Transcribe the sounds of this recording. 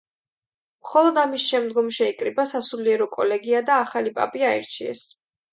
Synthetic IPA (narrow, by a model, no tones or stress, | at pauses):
mχɔlˠɔd̪amisʃɛmd̪ɡɔmʃɛikʼɾibasasuliɛɾɔkʼɔ̰lɛɡiad̪aːχalipʼa̰pʼiaḭɾt͡ʃʰiɛ̰s